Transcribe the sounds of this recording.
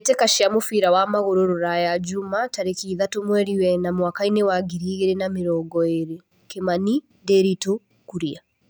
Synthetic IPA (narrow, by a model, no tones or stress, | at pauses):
tɛkaʃiamofiɾawamaɣoɾoɾoɾajad͡ʒumataɾekiːðatomwɛɾiwɛnamwakainewaɡiɾiːɣeɾenameɾɔɡɔeɾe | kemani | dɛɾito | kuɾia